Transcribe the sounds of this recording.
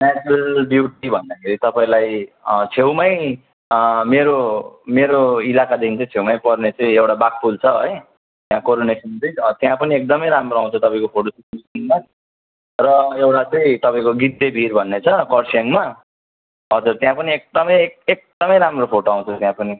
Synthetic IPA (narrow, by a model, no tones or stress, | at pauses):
nat͡suɾʌlbjuʈibʱʌnd̪akʰeɾit̪ʌpaĩlajt͡sʰewmʌj | meɾomeɾoilakad̪ekʰint͡sʰʌ̃t͡sʰewmajpʌrnet͡sʌ̃ĩewʈabak̚pult͡sʰʌɦʌj | t̪jãkoɾonesʌntʌjʌt̪jãpʌniek̚d̪ʌmʌjɾamroãw̃t͡sʰʌt̪ʌpaĩkopʰoʈosikmisiŋman | rʌewʈat͡sʌĩt̪ʌpaĩkoɡit̪ːebʱirbʱʌnːet͡sʰʌkʌrsaŋma | ɦʌd͡zurt̪jãpʌniek̚d̪ʌmʌjkek̚d̪̥ʌmʌjɾamropʰoʈoaw̃t͡sʰʌt̪jãpʌni